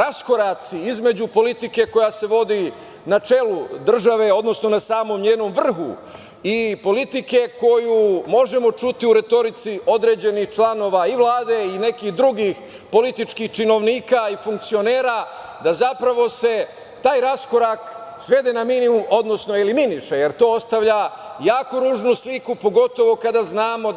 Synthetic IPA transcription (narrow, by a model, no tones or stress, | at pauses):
ɾasko̞ɾat̪siizme̞d͡ʑupo̞lit̪ike̞ko̞jase̞ʋo̞d̪i | nat͡ʃe̞lud̪r̩ʒaʋe̞o̞d̪no̞sno̞nasaːmo̞mɲeːno̞mʋr̩xṵ | ipo̞lit̪ike̞ko̞jumo̞ʒe̞mo̞t͡ʃut̪iuɾe̞t̪o̞ɾit̪siʔo̞d̪ɾe̞ːd͡ʑe̞nixt͡ʃlˠano̞ːʋaiʋlˠaːd̪e̞ine̞kixd̪ɾuɡix | po̞lit̪it͡ʃkixt͡ʃino̞ʋniːkaifuŋk̚t̪sio̞neːɾa | d̪azapɾaʋo̞se̞ | t̪aːjɾasko̞ɾaksʋe̞d̪enaminiumo̞d̪no̞sno̞eliminiʃeje̞ɾt̪o̞ːost̪aʋʎajaːkoɾuːʒnuslikupo̞ɡo̞t̪o̞ʋo̞kad̪aznaːmo̞